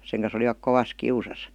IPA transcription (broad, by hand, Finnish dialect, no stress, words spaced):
seŋ kɑn̞s oliʋɑk koʋɑs kiusɑs